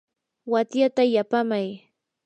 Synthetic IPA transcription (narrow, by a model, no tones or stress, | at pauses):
wat̪jat̪ajapamaj